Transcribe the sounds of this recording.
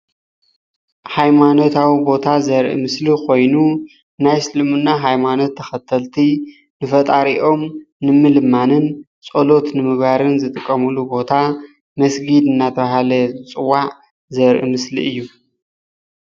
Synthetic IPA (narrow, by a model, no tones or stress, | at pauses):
hajmanot̪ʰawibo̞t̪ʰazɐɾʔḭmɨslikʰo̞jnu | najsɨlɨmɨnːaɦajmano̞t̪ʰːɐxɐt̪ʰɐlt̪ʰi | nɨfɐt̪ʼaɾiʔo̞m | nɨmɨlmanɨn | t͡sʼolo̞t̪nɨmɨɡbaɾɨnzɨt̪ʼɨkʼːɐmulubo̞t̪ʰa | mɐsɡid̪ɨnːat̪ʰɐβaɦalɐzɨt͡sʼɨwːaʕ | zɐɾʔḭmɨslḭɨjːu